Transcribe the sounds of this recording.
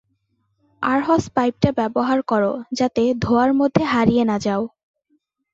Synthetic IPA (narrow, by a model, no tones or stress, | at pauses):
aɾɦɔspajp̚ʈabɛboɦaɾkɔɾod͡ʑat̪ed̪ʱoaɾmod̪ʱːeɦaɾijenad͡ʑao